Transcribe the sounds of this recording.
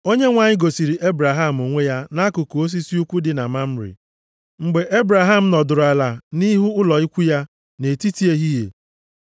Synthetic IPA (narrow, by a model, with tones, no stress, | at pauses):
o˦ɲe˦ŋʷa˨ɲɪ˦ɡo˨si˨ɾi˨ʔe˦bɾa˨ɦa˦˨m̩˨o˨ŋʷe˦ja˦na˦kʊ˨ko˨o˦s̬i˦si˦u˦kʷu˦dɪ˨na˨ma˦m̩˦ɾɪ̰˨ | ŋ͡m̩˨ɡ͡be˨ʔe˦bɾa˨ɦa˦m̩˨˦nɔ˨dʊ˨ɾa˨la˨ni˦ɦu˦ʊ˦lɔ˨i˦kʷu˦ja˦ | ne˨ti˦ti˦e˦ɦi˦ɦḛ˨